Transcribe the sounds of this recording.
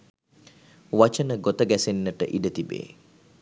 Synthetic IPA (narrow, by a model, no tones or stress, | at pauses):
ʋat͡ʃənəɡot̪əɡæsenːəʈəʔiɖət̪ibḛː